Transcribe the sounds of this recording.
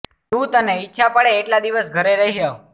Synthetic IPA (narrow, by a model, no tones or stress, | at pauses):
t̪ũt̪əneitːʃʰapəɽeːʈlad̪iʋəsɡʱəɾeɾəɦiɦə